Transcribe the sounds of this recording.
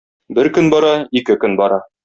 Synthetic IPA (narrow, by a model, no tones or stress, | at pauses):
bɘɾkɵnbɒɾɑikɘkɵnbɒɾɑ